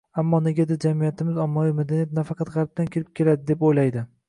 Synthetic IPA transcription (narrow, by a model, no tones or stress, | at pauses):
amːɒne̞ɡʲad̪ɪɾd͡ʒamijat̪ʰɪmɪzɒmːɒvijmad̪anijat̪̚nafɑqɑt̪ʁɑɾp̚t̪ankʲʰɪɾɪp̚kʲʰe̞lad̪ɪd̪e̞pojlajd̪ɪ